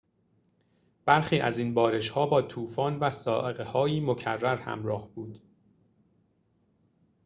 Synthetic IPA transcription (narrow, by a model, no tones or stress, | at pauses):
b̥æɾxiːʔæ̰zinbɒːɾe̞ʃhɒːbɒːt̪ʰuːfɒːnvæsɒːʔeɣehɒːjiːmocʰæ̰rːæɾhæ̰mɾɒːhb̥uːd̪̥